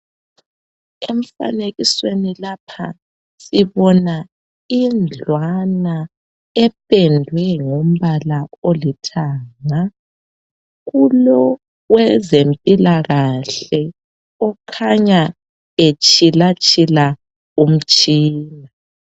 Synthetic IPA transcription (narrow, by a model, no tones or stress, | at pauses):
em̩fa̰neɣiswenilapʰa̰ | siβɔna | ind͡ɮʱwana | ɛpʼɛndʱwɛŋom̩βalaolitʰaːŋa | ɣulɔ | ɣwɛzempʼilaɣaɬɛ | ɔkʰaɲa | et͡ʃʼilat͡ʃʼila | um̩t͡ʃʼiːna